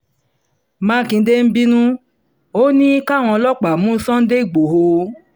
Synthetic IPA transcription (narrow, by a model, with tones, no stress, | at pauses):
mã˦kĩ˧˦de˦m̩˦bi˦nũ˦ | o˦nĩ˦ka˦˨w̃ɔ̃˧lɔ˦˨k͡pa˨mũ˦sɔ̃˦n̩˦de˦i˨ɡ͡bo˨ɦo˧